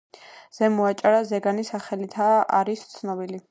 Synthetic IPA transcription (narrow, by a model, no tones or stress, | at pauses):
z̥ɛmɔat͡ʃʼaɾazɛɡanisaχɛlit̪ʰaa̰ɾist̪sʰnɔbili